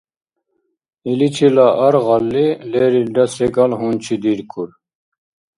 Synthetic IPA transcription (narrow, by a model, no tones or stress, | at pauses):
ilit͡ɕʰilaʔɐɾʁɑlːileɾilɖ̪ɐsɛɡɐlɦunt͡ɕʰid̪iɾkʰuɾ